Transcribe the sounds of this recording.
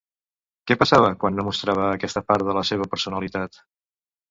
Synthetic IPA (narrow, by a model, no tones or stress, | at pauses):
kɛpəsaβ̞əkwanːomust̪ɾaβ̞əːkɛst̪əpaɾt̪ðələseβ̞əpəɾsunəlit̪at̪